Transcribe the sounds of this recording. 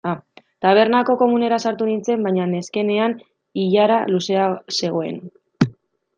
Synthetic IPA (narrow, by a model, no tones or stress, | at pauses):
a | t̪aβ̞e̞ɾnako̞ko̞mune̞ɾasaɾt̪unint͡se̞mbajɲane̞ske̞ne̞an | iʎaɾaluse̞ase̞ɣ̞o̞e̞̰n